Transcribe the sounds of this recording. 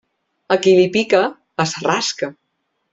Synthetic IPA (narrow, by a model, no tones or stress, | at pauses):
əkilipikə | əsəraskə